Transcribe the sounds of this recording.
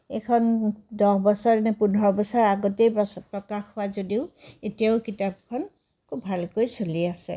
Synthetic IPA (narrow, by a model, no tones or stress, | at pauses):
ekʰɔndɔhbɔsɔɹnɛpunɹɔbɔsɔɹaɡɔtejɔpɹɔkaxhʊazodiʊetijaʊkitap̚kʰɔn | kʰubʱalkojsoliasɛ̰